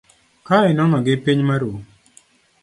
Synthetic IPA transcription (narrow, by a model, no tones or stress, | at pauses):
kaɪnɔnɔɡɪpiɲmaɾu